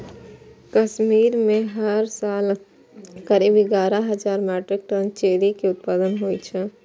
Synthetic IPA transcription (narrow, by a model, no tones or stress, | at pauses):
kəʃmiːɾmẽɦəɾsaːl | kəɾibiɡaːɾaɦɐd͡ʒaːɾmɛːʈɾɪk̚ʈənt͡ʃeːɾikiʊt̪̚paːd̪ənɦoːit͡ʃʰɛ